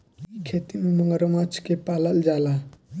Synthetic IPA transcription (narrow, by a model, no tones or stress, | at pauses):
ikʰet̪imeməŋɡəɾəmat͡ʃʰkepaːləld͡ʒala